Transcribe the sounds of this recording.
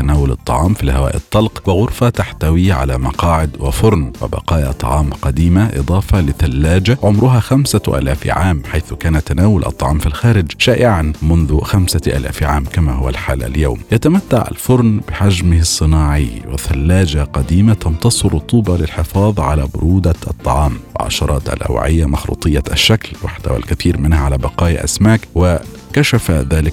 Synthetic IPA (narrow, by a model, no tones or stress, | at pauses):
t̪anaːwʊlɑt̪ˤːɑ̰ʕɑːmfihawa̰ːʔɪ̰t̪ˤːɑlqwɪɣʊɾfat̪aħt̪awiʕa̰lamɑ̰qɑːʕɪd̪wɪ̰fʊɾˤnwɪ̰bɑ̰qɑːja̰t̪ˤɑ̰ʕɑːmqɑd̪iːmaʔɨ̰d̪ˤɑːfɑlɪθalːaːd͡ʒaʕʊmɾʊɦaːxamsaʔa̰ːlaːfʕaːmħajθʊkaːnat̪ːanaːwʊlʔɑ̰t̪ˤːɑ̰ʕɑːmfilxaːɾɪd͡ʒʃaːʔɪʕanmʊnðʊxamsaʔa̰ːla̰ːfʕaːmkamaɦʊwa̰lħa̰ːla̰lja̰wmjat̪amat̪ːa̰ʕa̰lfʊɾˤnbɪħad͡ʒmɪhɪsˤːɨnɑːʕiwɪ̰θalːaːd͡ʒaqɑd̪iːmat̪ɑnt̪ɑsˤɨɾˤʊt̪ˤːuːbɑlɪlħɪfɑːðˤʕalaːbʊɾuːd̪aʔɑt̪ˤːɑʕɑːmwɪ̰lʕa̰ʃɑɾˤɑːt̪ʔa̰lʔa̰w̰ʕɪjːamɑxɾṵːt̪ˤɨjːaʔaʃːaklwa̰ħt̪a̰wa̰lkaθiːɾmɪnhaʕalabɑqɑːjaʔa̰smaːkwɪ | kaʃafaðaːlɪk